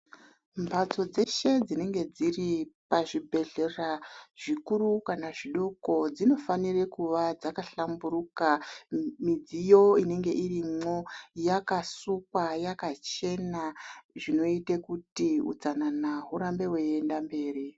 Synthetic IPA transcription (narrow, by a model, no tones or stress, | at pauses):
mbʱat͡so̞d͡ze̞ʃe̞d͡zine̞ŋɡe̞d͡ziripaʐibʱe̞ɮe̞raʐ̥ikurukanaʐiɗo̞ko̞d͡zino̞fanirekuʋad͡zakaɬamburukamid͡zijo̞ine̞ŋɡe̞ʔirimo̞jakasuk̚wajakat͡ʃe̞naʐino̞itekutiṵd͡zananaɦuɾambe̞weːndambe̞ːri